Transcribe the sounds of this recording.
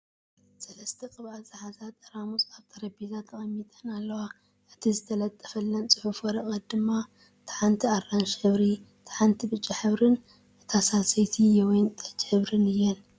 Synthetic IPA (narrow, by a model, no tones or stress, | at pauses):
sɐlɐst̪ʰɐkʼɨβalsʼɨħazat̪ːɐɾamusʼaβt̪ʰɐɾɐbizat̪ʰːɐɣʼɐmːit̪ʼɐnalːɐwa | ʔɨt̪ʰizɨt̪ʰɐlɐt̪ʼːɐ̥fɐlːɐnt͡sʼɨħufɐɾɐkʼɐd̪ɨmːa | t̪ʰḁħant̪ʰiarːanʃħɨβɾi | t̪ʰḁħant̪ʰibɨt͡ʃʼːiħɨβɾɨn | t̪ʰasasɐjt̪ʰijɛwjnt̪ʼɐ̥t͡ʃʼːħɨβɾɨnɨjːɛn